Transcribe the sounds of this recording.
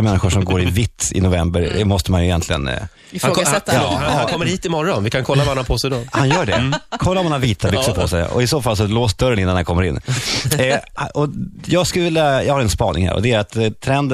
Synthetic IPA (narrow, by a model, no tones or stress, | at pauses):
mɛnːɪɧʊʂɔmɡoːɾɪvɪt̪ːɪ̰nʊvɛmbəɾɛ̰mɔst̪əmanjɵɪjɛnt̪lɪɡə̰n | ɪfaoːɛt̪ːakʰɔmːəɾhiːt̪ɪmɔɾːɔnvɪkʰankʰɔlːavahanapʰoːsɛd̪ɔhanjœːɖɛ̰kʰɔlːaɾɔmanaviːt̪ʰalʏsəpʰɔsɛj̰ɔ̰ɪsoːfalːsɔloːstd̪œɾːənɪnːanhankʰɔmːəɾɪnː | hʔɔjɑːɡskɵləvɪlːjajɑːɡhaɾɛnspɑːnɪ̰ŋhæ̰ɾɔ̰d̪ɛæɾat̪t̪ʰːɾɛnd̪